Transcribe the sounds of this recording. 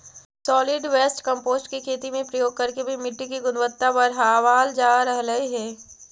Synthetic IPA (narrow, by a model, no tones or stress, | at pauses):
sɔːlɪɖʋeːsʈkɐ̃mpoːsʈkikʰeːt̪imẽpɾɐjoːɡ̚kɐɾkebʱimɪʈːikiɡʊnʋət̪ːabəɾɦaːʋaːld͡ʒaːɾəɦləɦiɦɛː